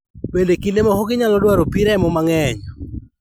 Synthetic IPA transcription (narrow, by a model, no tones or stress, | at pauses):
bendekilemɔhoɡɪɲalɔdwaɾopiɾɛmɔmaŋɛɲɔ